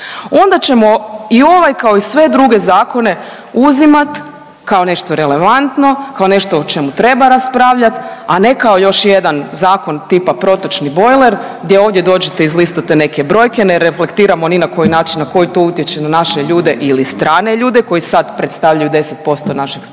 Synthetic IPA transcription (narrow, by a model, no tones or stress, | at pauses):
o̞nd̪at͡ɕe̞mo̞io̞ʋajkao̞isʋe̞d̪ɾuɡe̞zaːko̞ne̞ | uzimat̪ | kao̞ne̞ʃt̪o̞ɾe̞le̞ʋant̪no̞kao̞ne̞ʃt̪oot͡ʃe̞mut̪ɾe̞baɾaspɾaʋʎat̪ane̞kao̞jo̞ʃjed̪anzaːko̞nt̪ipapɾo̞t̪ot͡ʃnibo̞jleɾ | ɡd̪jeo̞ːʋd̪ʲje̞d̪o̞ːd͡ʒet̪eizlist̪ot̪ene̞ke̞bɾo̞ːjkeneɾefle̞kt̪iːɾamo̞ninako̞jinaːt͡ʃinːako̞jit̪o̞ut̪jet͡ʃenanaʃeʎuːd̪e̞ʔilist̪ɾaːne̞ʎuːd̪eko̞jisad̪pɾet̪st̪aʋʎʲajud̪e̞set̪̚po̞st̪onaʃiɡ